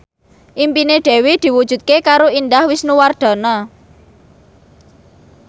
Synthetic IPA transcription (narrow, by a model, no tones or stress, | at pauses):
ʔimpineɖ̪̥e̤wed̪̥i̤wud̥ʒ̥ṳt̪̚kekaɾoind̪ahwɪsnuward̪̥ɔ̤nɔ